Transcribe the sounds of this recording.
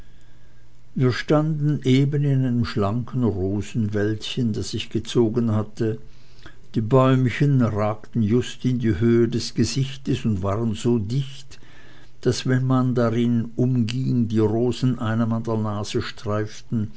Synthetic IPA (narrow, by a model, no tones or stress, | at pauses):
viːɐʃtandn̩ʔeːbənɪnaɪnəmʃlaŋkʰən̩ʁoːzn̩vɛltçəndasz̥ɪçɡ̥ət͡soːɡənhatə | d̥iːbɔʏmçənʁaːktn̩jʊstɪndiːɦøːədɛsɡ̥əzɪçtəsʊntv̥aːʁənzoːdɪçt | d̥asv̥ɛnmandaʁɪnʔʊmɡɪŋdiːʁoːzn̩ʔaɪnɐmandɐɐnaːz̥əʃtʁ̥aɪftn̩